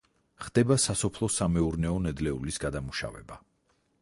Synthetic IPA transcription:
χd̪̥ɛbasasɔpʰlˠɔsamɛuɾnɛɔnɛd̪lɛulisɡad̪amuʃa̰vɛba

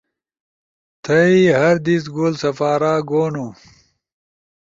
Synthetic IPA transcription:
t̪ʰɐiɦɐɾd̪isɡoːlsɐfaːɾaːɡoːnu

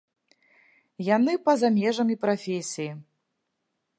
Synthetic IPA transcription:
janɨpɐzamʲɛʐɐmʲipɾafʲesʲiji

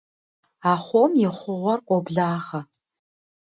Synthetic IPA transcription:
aːχʷomjɪχʷʊʁʷɔrqʷʼɔbɮaːʁɐ

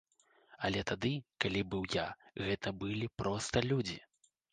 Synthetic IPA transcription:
ɐlʲɛt̪ad̪ɨkalʲibɨwjaɣɛt̪ɐbɨlʲipɾɔst̪ɐlʲud͡zʲḭ

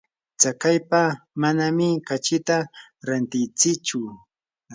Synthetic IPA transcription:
t͡sakajpamanamɪkat͡ʃɪt̪aɾant̪ɪjt͡sɪt͡ʃʊ

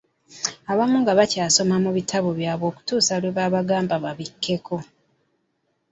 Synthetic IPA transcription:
aβamuŋɡaβacaːso̞mamuβitʰaβo̞βjaːβo̞ːku̥tuːsalweβaːβaɡaːmbaβaβikʰːe̞kʰo̞

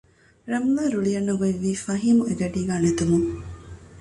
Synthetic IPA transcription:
ɾɐmlaːɾuɭijɐnːɐɡiʋːiːfɐɦiːmueɡɐɖiːɡaːnet̪umu

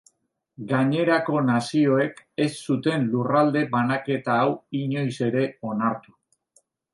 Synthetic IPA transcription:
ɡaɲe̞ɾako̞nasio̞e̞ke̞sːut̪e̞nlurald̪e̞banake̞t̪aːwiɲo̞jse̞ɾe̞o̞naɾt̪u̥

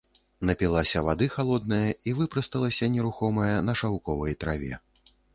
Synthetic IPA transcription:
nɐpʲilˠasʲɐvad̪ɨxalˠɔd̪̚nɐjɐivɨpɾɐst̪ɐlˠɐsʲɐnʲɛɾuxɔmɐjɐnɐʂawkɔvɐjt̪ɾavʲɛ̰

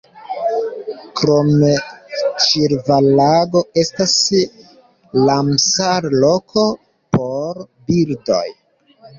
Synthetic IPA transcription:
kɾo̞met͡ʃiɾvalaɡo̞e̞stas | lamsaɾlo̞kʰo | po̞ɾ | bildo̞̰j

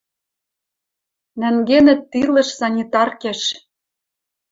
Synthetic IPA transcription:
næŋɡenɘ̆t̪ːilɤ̆ʃsɑnʲit̪ɑrkeʃ

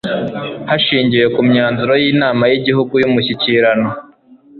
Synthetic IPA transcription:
haʃiːɲɟije̞kumɲaːnzuɾo̞jiːnaːmajiɟiɦuɡujumuçiciɾano

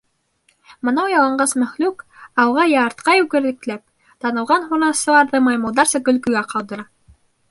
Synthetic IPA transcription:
mɤ̆nɑwjɑlˠɑɴɢɑsmæχlʉkɑwʁɑjɑːɾt̪qɑjʉɡɘ̆ɾðɘ̆klæp̚ | t̪ɑnɤ̆lˠʁɑnhunɑsɤ̆lˠɑɾðɤmɑjmulˠd̪ɑɾsɤɡɵ̆lɡɵ̆ɡæqɑlˠd̪ɤ̆ɾɑ

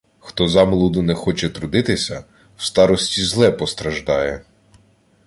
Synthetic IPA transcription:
xt̪ɔzɑmlˠud̪ʊnɛxɔt͡ʃɛt̪ɾʊd̪ɪt̪ɪsʲɐ | w̥st̪ɑɾɔsʲtʲizlˠɛpɔst̪ɾɐʒd̪ɑjɛ

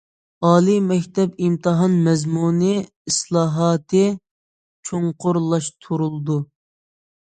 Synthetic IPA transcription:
ɑːlˠimɛkʲt̪ʰɛpimt̪ʰɨɦɑnmɛzmunɨ | islˠɑːɦɑːt̪ʰɨ | t͡ʃʰoŋqʰʊɾlˠɑʃt̪ʰuɾulˠd̪u

